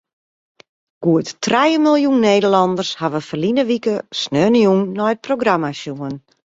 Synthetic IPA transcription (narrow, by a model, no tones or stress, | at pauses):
ɡ̥uəttrajəmilˠjunːeːdəlɔndərshaʋəfərlinəʋikəsnøːnjunːɔjt̚proɡramasjuən